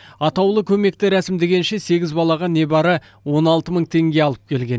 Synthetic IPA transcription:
ɑt̪ɑwlˠəkʲʰɵme̞k̚t̪ɪɾæsɪmd̪e̞ɡʲe̞nʃe̞se̞ɡʲɪzbɑlˠɑʁɑne̞bɑɾə | wo̞nɑlˠt̪əməɴt̪ʰe̞ŋɡʲe̞ɑlˠəp̚kʲʰe̞lɡʲe̞n

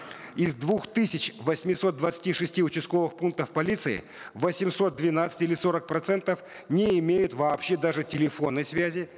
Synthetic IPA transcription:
ɪzd̪vuxt̪ɨsʲɪt͡ɕvəsʲmʲɪso̞t̪̚d̪vət̪sɨ̥tʲiʂɨsʲtʲiʊt͡ɕɪst̪̚ko̞vɨxpunk̚t̪əfpɐlʲit̪sɨɪ̰ | vəsʲɪmso̞t̪̚d̪vʲɪnat̪sə̥tʲilʲɪso̞ɾək̚pɾɐt̪sɛnt̪əf | nʲɪɪmʲejʊt̪vɐːpɕːe̞d̪aʐɨtʲɪlʲɪfo̞nːəjsvʲæzʲɪ

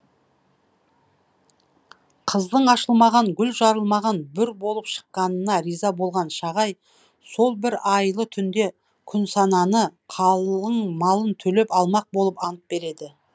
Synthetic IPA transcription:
qʰəzd̪əɴɑʃəlˠmɑʁɑŋɡʲʏlʒɑɾəlˠmɑʁɑnbʏɾbo̞lˠəpʃə̥qːɑnənɑɾijzɑbo̞lˠʁɑnʃɑʁɑj | so̞lˠbɪɾɑjlˠət̪ʰʏnd̪e̞ | kʲʰʏnsɑnɑnəqʰɑlˠəɴmɑlˠənt̪ʰɵle̞pɑlˠmɑq̚bolˠəpɑnəp̚be̞ɾe̞d̪ɪ

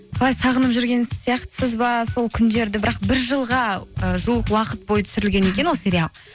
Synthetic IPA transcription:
qʰɑlˠɑjsɑʁənəpʒʏɾɡʲe̞nsijɑqt̪ə̥səzbɑso̞lˠkʲʰʏnd̪e̞ɾd̪ɪbɪɾɑq̚bɪɾʒəlˠʁɑəʒuəqwɑqət̪̚bo̞jət̪ʰʏ̥sɪɾɪlɡʲe̞ne̞kʲe̞nwoseɾʲealˠ

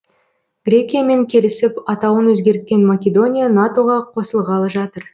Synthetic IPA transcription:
ɡ̥ɾʲe̞kʲijame̞ŋkʲʰe̞lɪsɪpɑt̪ɑwənwɵzɡʲe̞ɾt̪̚kʲe̞nmakʲe̞d̪o̞nʲijanat̪o̞ʁɑqʰo̞səlˠʁɑlˠəʒɑt̪əɾ

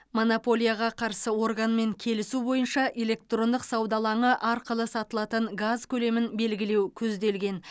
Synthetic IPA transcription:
mo̞nopo̞lʲˠijaʁɑqʰɑɾsəwo̞ɾɡanme̞ŋkʲʰe̞lɪsubo̞jənʃɑʔe̞le̞k̚t̪ro̞nd̪əqsɑwd̪ɑlˠɑɴəʔɑɾqəlˠəsɑt̪əlˠɑt̪əɴɡazkʲʰɵle̞mɪnbe̞lɡʲɪle̞wkʲʰɵzd̪e̞lɡʲe̞n

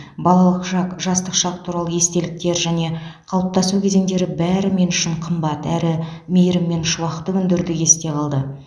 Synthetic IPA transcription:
bɑlˠɑlˠəqʃɑqʒɑst̪əqʃɑq̚t̪ʰuɾɑlˠəje̞st̪e̞lɪk̚t̪e̞ɾʒæne̞qʰɑlˠəp̚t̪ɑsukʲʰe̞ze̞ŋd̪e̞ɾɪbæɾɪme̞nʏʃɪɴqʰəmbɑt̪æɾɪmejɾɪmːe̞nʃʊwɑqt̪ːəʏnd̪ɪɾd̪ɪje̞st̪e̞qʰɑlˠd̪ə

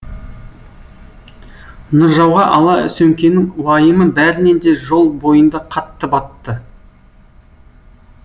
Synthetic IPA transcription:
nʊɾʒɑwʁɑʔɑlˠɑʏ̰sɵŋkʲe̞nɪŋwɑjəməbæɾɪne̞nd̪e̞ʒo̞lˠbo̞jənd̪ɑqʰɑt̪ːəpɑt̪ːə

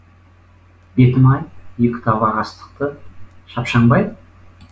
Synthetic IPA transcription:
b̥e̞t̪ɪmɑjjekʲɪ̥t̪ʰɑbɑʁɑst̪ə̥q̚t̪əʃɑpʃɑɴbɑj

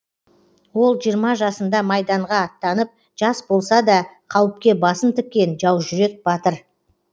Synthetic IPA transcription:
wo̞lˠʒijəɾmɑʒɑsənd̪ɑmɑjd̪ɑɴʁɑːt̪ːɑnəp̚ | ʒ̥ɑsbo̞lˠsɑd̪ɑqʰɑwəp̚kʲe̞bɑsənt̪ʰʏk̚ʲkʲːe̞nʒɑwʒʏɾe̞k̚bɑt̪əɾ

